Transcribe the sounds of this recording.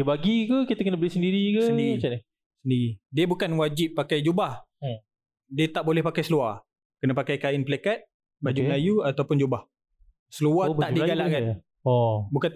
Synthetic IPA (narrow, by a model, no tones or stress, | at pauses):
əbaɡikəkit̪əkənəbəlisəndiɾikəsədiit͡ʃani | səndiɾidiəbukanwad͡ʒipːakajd͡ʒubah | diət̪aʔbolɛhpakajsəlua | kənə̃pakajkaɪnpəlekat̪̚ | bad͡ʒulajuat̪awpʊnd͡ʒubah | səluahtb̪aʔdiɡalaʔkan | ɔbukan